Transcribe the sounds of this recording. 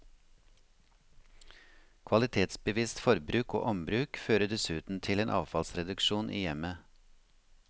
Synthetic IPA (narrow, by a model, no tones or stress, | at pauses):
kʰʋɑlɪt̪ʰeːt̪sbəʋiːst̪fɔɾbɾʉːko̰ːʔɔmbɾʉːkføːɾəd̪ɛsʉːt̪n̩t̪ʰɪleːnʔɑ̰ːʋfɑlsɾɛd̪ʉkʃuːnʔḭːjɛmə